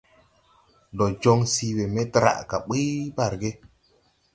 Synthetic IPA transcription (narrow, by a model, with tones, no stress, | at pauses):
dɔ˨d͡ʒo˦ŋsi˦we˨me˦tɾa̰˨ʔka̰˨ɓi˦ba˨ɾɡe˦